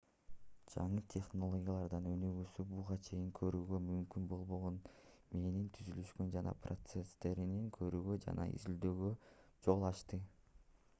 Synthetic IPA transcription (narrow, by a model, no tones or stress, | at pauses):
d͡ʒɑɴɯt̪ʲʰe̞χno̞lˠo̞ɡʲijalˠɑɾd̪ɑnø̞nyɡysybuʁɑt͡ʃʰe̞jiŋkʰø̞ɾyːɡø̞mymkynbo̞lˠβo̞ʁonme̞nint̪ʰyzylyʃkønd͡ʒɑnɑ̰pro̞t̪sest̪e̞ɾiniŋkʰø̞ɾyːɡø̞d͡ʒɑ̰nɑ̰ḭzild̪øːɡø̞d͡ʒo̞lˠɑʃt̪ɯ